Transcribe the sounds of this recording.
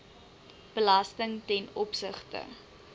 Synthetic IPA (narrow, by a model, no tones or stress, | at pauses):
b̥əlɐstəŋtɛnɔpsəχtə̰